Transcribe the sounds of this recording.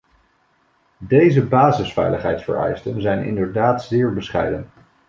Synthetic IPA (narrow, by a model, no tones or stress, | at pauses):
dejzəbaːzəsfɛ̰jləχɦɛjtsfə̰ɹɛ̰jstənzɛjnɪ̰ndəɹdaːtz̥ɪːɹbəsχɛ̰jdən